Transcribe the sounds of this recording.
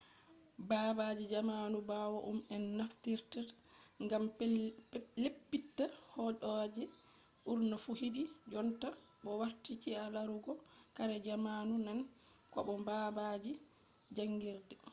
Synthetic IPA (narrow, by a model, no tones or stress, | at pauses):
babad͡ʒid͡ʒamanubawɔʔumɛnːaftiɾta | ŋɡam | lepːitːahɔd͡ʒɔd͡ʒɛ | ʔuɾnɔfuhidid͡ʒɔntaɓɔwaɾtit͡ʃialaɾuɡɔkaɾɛd͡ʒamanunɛn | kɔ̰ɓɔbabad͡ʒi | d͡ʒaŋɡiɾdɛ